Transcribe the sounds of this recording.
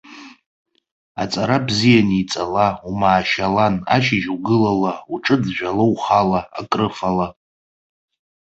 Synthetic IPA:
a̰t͡sʼaɾabzijanit͡sʼalaumaːʃalana̰ʃɪʒuɡɨlalauʈ͡ʂʼɨd͡zʒᶣʷalowχalaːkʼrɨfala

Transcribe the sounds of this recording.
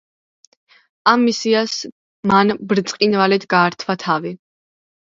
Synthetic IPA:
amːisias | manbɾt̪sʼqʼinvalɛt̪ɡaːɾt̪ʰvat̪ʰavi

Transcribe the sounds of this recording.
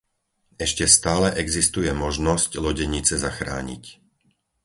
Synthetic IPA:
ɛʃcɛst̪aːlɛʔɛɡzist̪ujɛmɔʒnɔsclɔɟɛɲit͡sɛzaxɾa̰ːɲḭc

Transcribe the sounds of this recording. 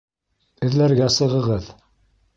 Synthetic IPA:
ɘ̆ðlæɾɡæsəʁəʁɤð

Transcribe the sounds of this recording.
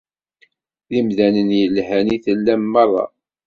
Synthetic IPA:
ðimðænənjəlhæniθəlːæmːɑrˤːɑ̰

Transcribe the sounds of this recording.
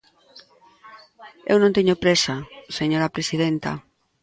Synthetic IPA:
ḛwnõnt̪eɲopɾesaseɲoɾapɾesið̞ent̪ɐ̰

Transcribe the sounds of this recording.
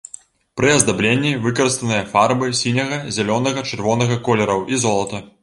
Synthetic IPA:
pɾɨɐzd̪ablʲenʲːivɨkɐɾɨst̪ɐnɨjɐfarbɨsʲinʲɐɣɐzʲɛlʲɔnɐɣɐt͡ʂɨrvɔnɐɣɐkɔlʲɛɾɐwʔizɔlˠɐt̪ɐ

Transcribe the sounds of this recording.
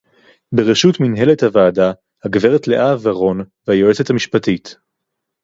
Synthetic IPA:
beʁeʃutminɦe̞lethavaːda | haɡveʁetle̞ʔavaʁo̞nvehajo̞et͡ssethamiʃpatit

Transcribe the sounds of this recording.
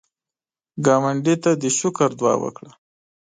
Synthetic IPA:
ɡɑmaɳɖit̪ad̪əʃʊkaɾd̪wɑ̰ːwə̰kɽa

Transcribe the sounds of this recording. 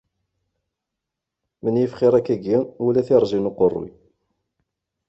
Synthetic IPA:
mənjəfχɪɾˤækːæɡiulæθiɾˤzinuqorˤːḭ

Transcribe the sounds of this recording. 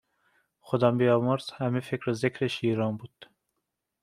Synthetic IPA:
xod̪ɒːmbijɒːmoɾzhæmefekɾezekʰɾeʃiːɾɒːmbuːd̪̥

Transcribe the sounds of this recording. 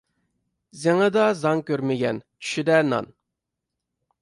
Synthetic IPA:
zeŋəd̪ɑzɑŋkʲøɾmɪɡʲɛnt͡ʃʰy̥ʃid̪ɛnɑ̰n

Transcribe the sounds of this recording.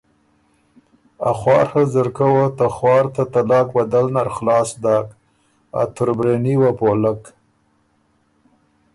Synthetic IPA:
a̰xwɑːɾhəzəɾkawat̪axwɑːɾt̪at̪alɑːkbad̪alnaɾxlɑːsd̪ak | a̰t̪ʊɾbɾeniwapolək

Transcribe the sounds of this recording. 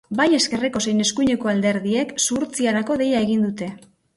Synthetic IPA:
baje̞ske̞reko̞se̞jne̞skujɲe̞ko̞ald̪e̞ɾðie̞ksuɾt͡siaɾako̞ðe̞jae̞ɣind̪ut̪e̞

